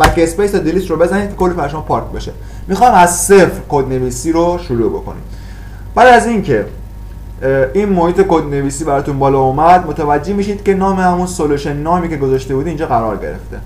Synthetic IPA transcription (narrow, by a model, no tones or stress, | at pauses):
mækespejst̪ɒd̪eliːsrobe̞zæniːd̪kʰkʰo̞lːipæɾʃomɔpʰɒɾkʰbe̞ʃe | mixɒjmæzsefɾkod̪ne̞viːsiːɾoʃuɾuːbo̞̰ko̞̰nḭm | b̥æːd̪æzincʰe̞ | inmohiːt̪ʰe̞kod̪ne̞viːsiːbæɾɒːt̪unbɒːlɒːumæd̪mot̪ʰævæd͡ʒehmiːʃid̪̥cʲe̞nɒːmehæmunsoluʃenːɒːmiːce̞ɡozɒʃt̪e̞bud̪iiːnd͡ʒɒːɣæɾɒːɾɟe̞̰ɾḛft̪e̞̰